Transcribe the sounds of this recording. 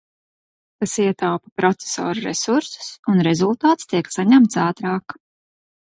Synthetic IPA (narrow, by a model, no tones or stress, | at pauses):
kasiɛt̪awpḁpɾɔt̪se̥sɔ̰ːɾuɾɛsuɾsu̥sunɾɛzulˠt̪aːt̪st̪iɛksaɲæmt̪saːt̪ɾaːk